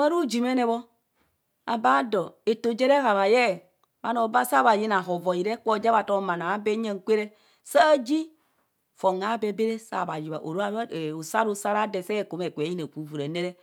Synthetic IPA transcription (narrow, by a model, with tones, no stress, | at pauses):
a˦ɾu˦d͡ʒi˨me˦ne˦βɔ˦ | a̰˨ba˦dɔ˨e˨to˨d͡ʒe˦ɾe˦ɣa˨βa˨jɛ˦˨ | ba˦no˨ba˦sa˦ba˨ji˦na˨ɦo˨vɔ˨i˨ɾe˦kʷɔ˦˨d͡ʒe˦βa˨to˦˨ma˨na˨a˦be˦ɲe˦ŋ˨kʷe˦ɾe˦ | sa˦d͡ʒi˦ | fo˨ŋa˨˦be˨be˦ɾe˦sa̰˨ba˨ji˨βa̰˨ʔo̰˨ɾo˦a˦˨o˨sa˦ɾu˦sa˦ɾa˦de˨sɛ˦˨ko˨me˨kʷe˨˦ji˦ne˨ku˨vu˨ɾe˨ne˦ɾe˦